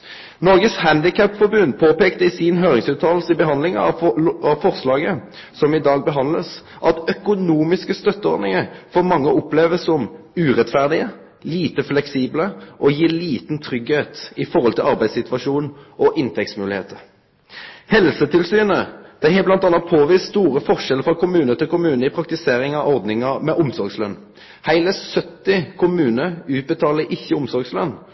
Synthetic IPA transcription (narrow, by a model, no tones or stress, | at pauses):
nɔʁɡəshænd̪ɪkʰæpːfɔɾbʉnd̪pʰoːpeːkt̪əɪsɪnɦøːʁɪŋsʉːt̪ʰɑːllsəɪbəɦɑnlɪŋɑ̰ɑʋfɔʁslɑːɡə | sɔmɪd̪ɑːɡ̚bəɦɑnd̪ləs | ʔɑt̪œkʊnuːmɪskəst̪œt̪ːəɔ̰ɾd̪nɪŋəɾfɔːɾmɑŋːəʔɔpleːʋəsɔm | ʉːʁɛt̪fæʁd̪ɪə | liːt̪əflɛksiːbləʔɔjiːliːt̪nt̪ʰʁʏɡheːt̪ɪfɔʁhɔlt̪ʰɪlɑʁbæɪsɪt̪ʋɑʂuːnʔɔʔɪnt̪ʰɛksmʉːlɪhḛːt̪ʰəɾ | hɛlsət̪ɪlsyːnəd̪̥æhɛblɑnt̪ɑnːɑt̪̚pʰoːʋiːsst̪uːʁəfɔʁʃɛləɾfʁɑkʊmʉːnət̪ɪlkʊmʉːnəɪpʰɾɑkt̪ɪseːɾɪŋɑʔɔʁd̪nɪŋəmɛʔʊmsɔɾɡslœn | hæɪləsœt̪ːɪkʰʊmʉːnəʉːt̪̚bət̪ʰɑːləʔɪçːəʊmsɔʁɡslœnː